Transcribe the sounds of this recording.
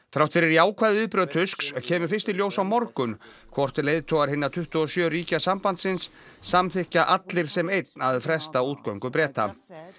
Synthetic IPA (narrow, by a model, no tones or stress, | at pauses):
θɾawht̪fɪɾɪɾjaːwkʰvaːðɪʏðpɾœːðt̪ʰʏskscʰɛːmʏ̥fɪ̥st̪iljoːwsawmɔɾkʏn | kʰvɔr̥t̪ɪleːjðt̪ʰɔːɣaɾ̥hɪnːaɾt̪ʰʏht̪ʏɔsjœːriːcasampant̪sɪnsː | amθɪhcaʔat̪lɪɾ̥sɛmejt̪naðfɾɛst̪auːt̪̚kœwŋkʏpɾɛːt̪a̰